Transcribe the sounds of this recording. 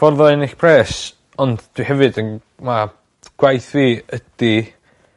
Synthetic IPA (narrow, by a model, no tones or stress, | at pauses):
fɔrðɔɪnɪɬpʰrɛːs | ɔndd̥wihɛvɨdən | ma | ɡ̥wajθviːəd̥i